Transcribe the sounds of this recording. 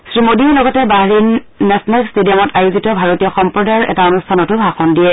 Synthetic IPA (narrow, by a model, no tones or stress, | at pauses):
sɹimodilɔɡɔtɛbaɦɹinː | ɛsnalkstedijɔmɔtajuzitɔbʱaɹotijɔxɔmpɹɔdaɹɛ̰taonustʰanɔtʊbʱaxɔndiɛ